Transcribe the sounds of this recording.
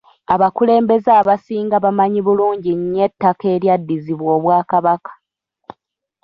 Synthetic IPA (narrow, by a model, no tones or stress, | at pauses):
aβakule̞ːmbe̞zaːβasiːŋɡaβamaɲiβuluːɲɟiɲːe̞tːake̞ːɾjadːiziβwoːβwaːkaβakḁ